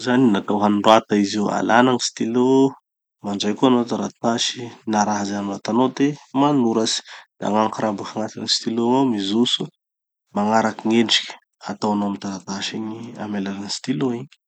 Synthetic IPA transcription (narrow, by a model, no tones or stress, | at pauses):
zaninat̪awɦanuɖ͡ʐat̪aizewa̰lanaŋist̪ilo | maɳɖ͡ʐajkuanot̪aɾat̪aʃi̥naɾaɦazaamilat̪anod̪emanuɾasi̥d̪̥a̰ŋaŋkɾambakaŋat̪inist̪iloomizusu | maŋaɾakiŋeɳɖ͡ʐi̥kʲə̥ | at̪awanoamit̪aɾat̪aʃiɲia̰melananist̪iloiɲ̥